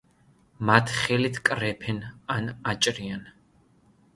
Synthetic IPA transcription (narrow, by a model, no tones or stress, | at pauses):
mat̪ʰχɛlit̪ʰkʼrɛpʰɛnanat͡ʃʼrijan